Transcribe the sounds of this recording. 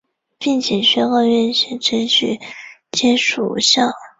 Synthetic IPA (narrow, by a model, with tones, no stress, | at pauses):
pi˥˩ŋt͡ɕʰjɛ˨˩ɕɥɛ˥xɑ˥˧ɥɛ˥˩nɕɛ˥˩ʈ͡ʂə˥nt͡ɕʰy̰˥˩˦t͡ɕjɛ˥nʂṵ˨˩ɕjɑ˥˩